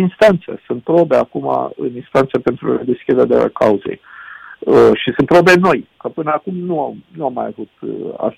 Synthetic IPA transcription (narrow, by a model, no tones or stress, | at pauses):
inst̪ant̪sḛsunt̪̚pɾo̞beakuma̰ɨ̰ninst̪ant̪sepe̞nt̪ɾuɾad̪e̞skʲid̪ead̪ea̰kauzḛj | əʃisɨnt̪̚pɾo̞beno̞jkəpɨnəakumnuamnuamːajavut̪̚a̰